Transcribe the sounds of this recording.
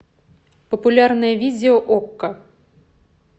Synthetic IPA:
pɐpulʲarnɐjɐvʲid̪ʲɛɔʔɔkːɐ

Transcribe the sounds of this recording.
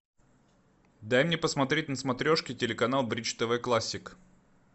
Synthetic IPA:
d̪ajmnʲepəsmɐt̪ɾʲet̚ʲnəsmɐt̪ɾʲoʂkʲɪtʲɪlʲɪkɐnalˠbɾʲit͡ɕt̪əvɛklˠasʲːɪk

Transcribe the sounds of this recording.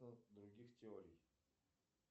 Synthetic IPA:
nɐd̪ɾuɡʲixt̪ʲɛɔɾiː

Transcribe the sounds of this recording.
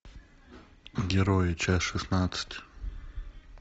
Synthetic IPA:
ɡʲɛɾojt͡ʃʰasʂɨsnat͡sɨ̥tʰʲ

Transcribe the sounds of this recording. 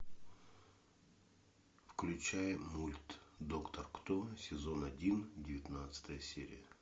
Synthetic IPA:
fklʲʉt͡ɕæjəmulʲt̪d̪okt̪ərkt̪osʲɪzonɐdʲindʲɪvʲɪt̪nat̪sə̥t̪əjəsʲeɾʲɪ̰jə

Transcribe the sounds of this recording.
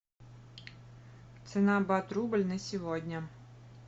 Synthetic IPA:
t̪sɛnɑbɑt̪ɾubɐlʲnɛsʲiʋɔdʲnʲɐ

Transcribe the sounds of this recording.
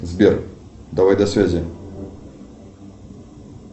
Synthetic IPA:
zbʲerd̪ɐvajd̪ɐsvʲæzʲɪ

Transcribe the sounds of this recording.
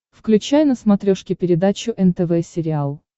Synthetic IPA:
fklʲʉt͡ɕæjnəsmɐt̪ɾʲoʂkʲɪpʲɪɾʲɪd̪at͡ɕʊʔɛnt̪ɛvɛsʲɪɾʲɪalˠ

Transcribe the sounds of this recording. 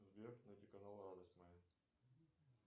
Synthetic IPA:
zbʲek̪nɐtʲikɐnalˠɾad̪əsʲtʲmɐja

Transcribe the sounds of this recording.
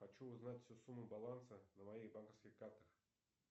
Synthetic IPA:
xɐt͡ɕuʊznatʲfʲsʲusumːʊbalˠansənəmɐiɣbankəfskʲɪxkart̪əx

